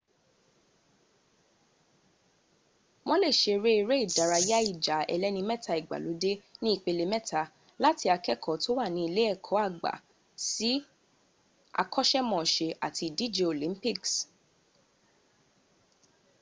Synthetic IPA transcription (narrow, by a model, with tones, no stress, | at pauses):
mɔ̃˦le˦˨ʃe˧ɾe˦i˧ɾe˦i˦˨da˨ɾa˧ja˦i˦˨d͡ʒa˨˦ɛ̰˧lɛ˦nĩ˧mɛ˦˨ta˧i˨ɡ͡ba̰˨lo˨˦de˦nĩ˦i˦˨k͡pe˧le˧mɛ˦ta˧˦ | la˦ti˧a˧kɛ˦kʰɔ˨to˦wa˦˨nĩ˧i˧le˦ɛ˦˨kʰɔ˨˦a˦˨ɡ͡ba̰˨ | si˦ | a̰˧kɔ˦ʃɛ˦mɔ̃˨ʃe˧a̰˨tʰi˧di˦d͡ʒe˧o˨lĩ˨˦mpi˦˨ks